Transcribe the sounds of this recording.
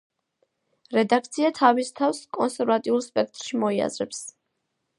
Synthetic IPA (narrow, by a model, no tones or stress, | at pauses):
ɾɛd̪akʰt̪sʰiat̪ʰavist̪ʰafskʼɔnsɛɾvat̪ʼiulˠspʼɛk̚ʰt̪ʼɾʃimɔia̰zɾɛps